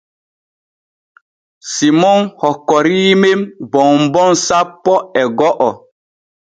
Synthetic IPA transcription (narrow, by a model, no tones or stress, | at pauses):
simɔŋhɔkːɔɾiːmembɔmbɔnsapːɔɛɡɔʔɔ